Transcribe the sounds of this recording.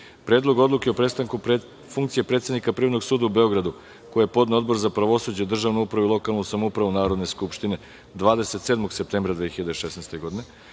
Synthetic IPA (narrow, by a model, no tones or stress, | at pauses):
pɾeːd̪lˠo̞ɡo̞d̪lˠukeo̞pɾest̪aŋku | fuŋkt̪sije̞pɾet̪senikapriʋno̞ɡsuːd̪aube̞o̞ɡɾad̪u | kojepo̞d̪neo̞d̪bo̞ɾzapɾaʋo̞sud͡ʑed̪r̩ʒaʋnuupɾaʋuilˠo̞kalˠnusamoupɾaʋunaːɾo̞d̪ne̞skupʃt̪ine̞ | d̪ʋaːd̪e̞set̪seːd̪moɡsep̚t̪embɾad̪ʋexiʎad̪eʃesnejst̪e̞ɡo̞d̪ine